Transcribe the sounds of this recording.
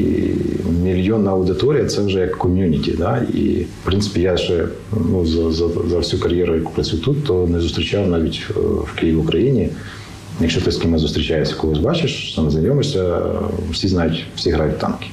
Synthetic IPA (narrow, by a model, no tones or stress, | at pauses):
ḭmʲɪlʲjonːɐɐʊd̪ɪt̪oɾʲɪjɐt̪sɛuʐɛjɐkʰːɔmʲjunʲɪtʲɪ̰d̪aḭfpɾʲinsɪ̥pʲɪjaʒɛ | nuzɐzɐzɐfsʲukɐɾʲjɛɾʊɐkʊ̥pɾɐt͡sʲut̪ut̪ːonɛzʊst̪ɾʲɪt͡ʃawnaʋʲitʲfkejʋʲɪʊkɾɐjinʲɪ | jɐkʃt͡ʃot̪əsʲkʲimazʊst̪ɾʲɪt͡ʃajɪsʲɐ̥koɦɔzʲbɑt͡ʃɪʂt̪amznɐjʲomɪʂsʲɐfsʲiznajʊtʲfsʲiɦɾajʊt̚ʲt̪ːɑ̰nkʲɪ̥